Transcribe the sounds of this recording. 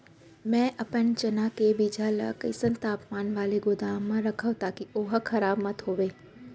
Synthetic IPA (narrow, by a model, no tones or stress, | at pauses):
mɛ̃ːʔɐpənt͡ʃənakebid͡ʒʱalə̰kə̰ɪsə̃nt̪aːpmaːnʋaːleɡʊd̪aːmːãɾɐkʰəʋt̪aːkioːɦkʰɐɾaːbmɐt̪ɦoːʋeː